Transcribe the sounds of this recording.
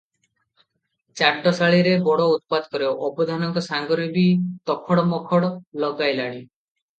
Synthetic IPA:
t͡ʃaɖɔsaɭiɾebɔɽɔut̪̚pad̪kɔɾeʔɔbɔd̪ʱanɔŋkɔsaŋɡɔɾibit̪ɔkʰɔɽɔmɔkʰɔɽɔlɔɡajlaɽ̃i

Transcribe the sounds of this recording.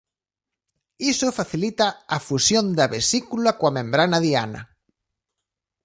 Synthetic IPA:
isofaθilit̪aːfusjond̪ɐβesikulakwamẽmbɾanaðia̰nɐ̰

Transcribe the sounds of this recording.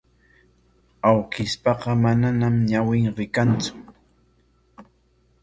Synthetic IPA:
awkɪspɑqɑmananamɲawɪŋɾɪkant͡sʊ̥

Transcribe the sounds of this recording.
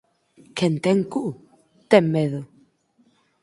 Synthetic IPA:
kʰɛnt̪ɛŋkuʔ | t̪ɛmːeðə

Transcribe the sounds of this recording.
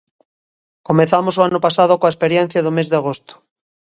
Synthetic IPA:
komẽnθamosoanopasaðokoaespeɾjen̟θjaðomezðeaɣ̞ost̪o̥

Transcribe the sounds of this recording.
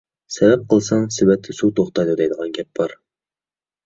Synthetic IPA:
sɛvɛp̚qʰəlˠsɑŋsɪbɛt̚t̪ʰːɪsut̪ʰoχt̪ɑjd̪ɨd̪ɛjd̪əʁɑnɡʲɛp̚b̥ɑɾ

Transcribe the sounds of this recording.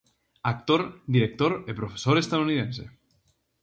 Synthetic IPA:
ak̚t̪oɾd̪iɾek̚t̪oɾepɾofe̥soɾest̪aðuniðẽnsḛ

